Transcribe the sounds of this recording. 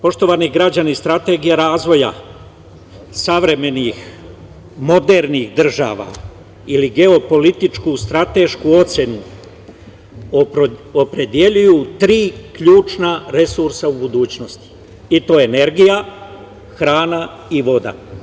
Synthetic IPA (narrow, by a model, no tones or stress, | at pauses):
po̞ʃt̪o̞ʋaniɡɾad͡ʑanist̪ɾat̪e̞ːɡijaɾaːzʋo̞ja̰ | saʋɾe̞me̞nix | mo̞d̪e̞ɾnixd̪r̩ʒa̰ːʋa̰ | iliɡe̞o̞po̞lit̪it͡ʃkust̪ɾat̪e̞ʃkuo̞t̪se̞nu | opɾe̞d̪jeʎujut̪ɾiːkʎuːt͡ʃnaɾe̞suɾsaubud̪uːt͡ɕnost̪i̥ | it̪o̞ene̞ɾɡija | xɾaːna | iʋo̞d̪a̰